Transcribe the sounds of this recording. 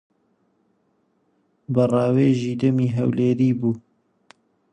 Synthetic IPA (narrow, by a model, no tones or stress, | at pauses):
bɨrɑːweːʒiːd̪ɐmiːɦɛwleːɾiːbuː